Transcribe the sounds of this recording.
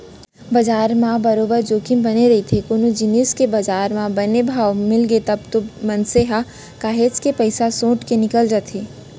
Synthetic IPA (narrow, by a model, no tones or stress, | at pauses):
bɐd͡ʒaːɾmãbɐɾoːbəɾd͡ʒoːkɪmbɐneɾɐit̪ʰekonod͡ʒɪneːskebɐd͡ʒaːɾmãbɐnebʱaːʋmɪlɡet̪ɐbt̪omɐnseːɦa | kaːɦeːt͡ʃkepɐɪsasõːʈkenɪkəld͡ʒaːt̪ʰeː